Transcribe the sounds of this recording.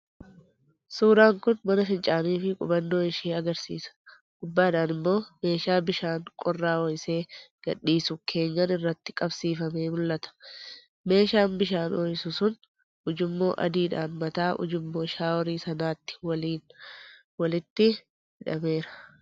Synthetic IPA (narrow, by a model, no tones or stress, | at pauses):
suːɾaːŋkʊnmɐnɐfɪnt͡ʃʼaːniːfɪkʼʊ̰bɐnːo̞ːɪʃiːɐɡɐɾsḭːsɐ̥ | ɡ̥ʊbːaːᶑaːnɪmːo̞ːme̞ːʃaːbɪʃaːŋkʼɔrːaːɔjse̞ːɡ̥ɐ̰ᶑːiːsʊkʰe̞ːɲːɐnɪrːɐt̪ːɪ̥kʼɐbsiːfɐme̞ːmʊlʔɐt̪ɐ̥ | me̞ːʃaːnbɪʃaːnɔjsʊsʊn | ʊd͡ʒɪmːo̞ːʔɐ̰d̪iːᶑaːnmɐt̪aːʔʊ̰d͡ʒɪmːo̞ːʃaːwɔɾiːsɐnaːt̪ːɪ̥wɐliːn | wɐlɪt̪ːɪ | hɪᶑɐ̰me̞ːɾɐ̥